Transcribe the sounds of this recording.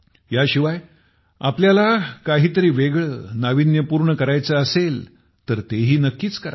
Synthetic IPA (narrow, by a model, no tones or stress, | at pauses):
jaɕiʋaj | apljalakaɦiːt̪əɾiːʋeɡɭəːnaʋinjəpuːɾɳəkəɾajt͡səəsel | t̪əɾt̪eɦiːnəkːiːt͡skəɾa̰